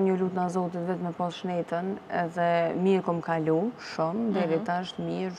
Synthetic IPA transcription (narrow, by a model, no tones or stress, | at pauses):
ɲəlut̪nazɔt̪̬it̪vɛt̪mɛpɔsʃnɛt̪ənɛ̰ðɛmiɾkɔmkaluʃumd̪ɛɾit̪aʃt̪miɾ